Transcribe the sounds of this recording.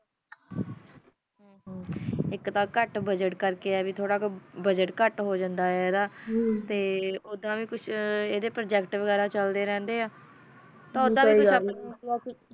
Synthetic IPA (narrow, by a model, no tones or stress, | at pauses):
ɦː | ɪkt̪ãːkəʈbəd͡ʒəʈkəɾkeːɛːʋiːt̪ʰoːɽaːkobəd͡ʒəʈkəʈɦoːd͡ʒənd̪aːɛːd̪aːt̪eːod̪ãːʋiːkʊt͡ʃʰeːd̪eːpɾəd͡ʒɛːkʈʋəɡɛːɾaːt͡ʃəld̪eːɾɛ̃ːnd̪eːaː | t̪ãːʊd̪ãːiːkʊʃənː